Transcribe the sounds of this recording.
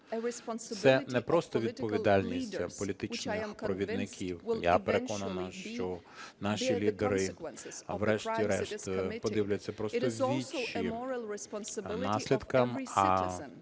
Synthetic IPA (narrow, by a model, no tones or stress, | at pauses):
sɛnɛpɾɔst̪ɔʋʲid̪̚ɔʋʲid̪ɑlʲnʲisʲtʲɐpɔlʲit̪ɪt͡ʃnɪxpɾɔʋʲid̪nɪkʲʰiwja̰peɾekɔnɐnɐʃt͡ʃɔ | nɑʃilʲid̪eɾɪ | wɾɛʃtʲiɾɛʃt̪pɔd̪ɪwlʲʊjʊt͡sʲːɐpɾɔst̪ɔwʲʋʲit͡ʃːi | nɑsʲlʲid̪kɐmɐ